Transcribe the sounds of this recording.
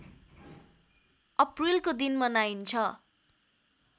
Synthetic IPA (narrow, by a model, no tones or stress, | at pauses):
ʌprilkod̪inmʌnajint͡sʰʌ